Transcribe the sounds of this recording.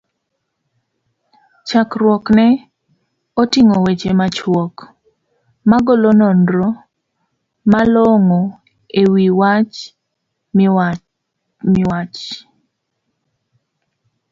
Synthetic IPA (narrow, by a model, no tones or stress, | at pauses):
t͡ʃakrwɔknɛ | otiŋowet͡ʃemat͡ʃwɔk | maɡɔlonɔndɾɔ | malɔŋo | ewiwat͡ʃ | mɪwat͡ʃ